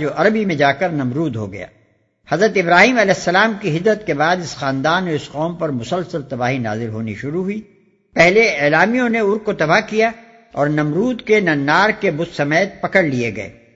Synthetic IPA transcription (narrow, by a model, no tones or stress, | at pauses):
d͡ʒoːʔɐɾəbimẽd͡ʒaːkɐɾnɐmɾuːd̪ɦo̰ɡɐ̰ja̰ː | hɐzɾət̪ɪbɾaːɦiːmɐlɛːsːɐlaːmkiɦɪd̪ːət̪kebaːd̪ɪsxaːnd̪aːnːeʊsqɔːmpɐɾmʊsəlsəlt̪ɐbaːɦina̰ːzɪlɦoːnḭʃʊɾuɦuiː | pɛɦleeːlaːmijõneʊɾɡkot̪ɐbakija | ɔːɾnɐmɾuːd̪kenɐnːaːɾkebʊd̪sɐmeːt̪̚pɐkəɽlieɡɐḛː